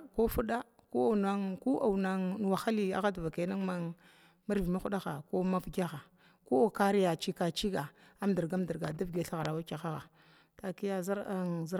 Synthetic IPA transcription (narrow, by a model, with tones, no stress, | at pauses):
ko˦fu˦ɗa˦ | ko˦a˨na˦ŋku˦ʔa˨wna˨ŋ˨wa˨xa˦li˦a̰˨ɣa˦dva˨ka˨˦na˦ŋma˦ | ma˦ɾvi˨mi˦xu˦ɗa˦ɣa˨ko˦ma˦fɡʲa˦xa˨ | ko˦o˨ka˦ɾi˦ja˨t͡ʃi˦ka˨t͡ʃi˦ɡa˨ | a˦mdə˨ɡa˦mdi˨ɾɡa˨da˦vɡe˨ɬa˦ɣa˨ɾa˨wa˦ka˨xa˦ɣa˨ | ta˨ki˦ja˦za˦ɾa˨ŋzɾ